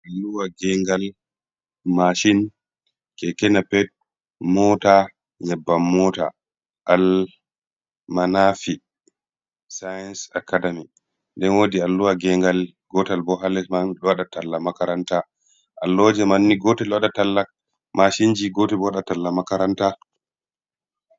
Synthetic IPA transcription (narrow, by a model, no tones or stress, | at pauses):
ʔalːuwaɡɛŋɡal | maʃin | kɛkɛnapɛt̚ | mɔta | jɛbːamːɔta̰ | ʔal | manafi | sajɛnsakːadami | ndɛnwoːdialːuwaɡɛŋɡal | ɡɔtalbɔɦalɛsmanɗɔwaɗatalːamakaɾanta | ʔa̰lːɔd͡ʒɛmanːiɡɔtɛlwaɗatalːa | maʃind͡ʒiɡotɛbɔwaɗatalːamakaɾanta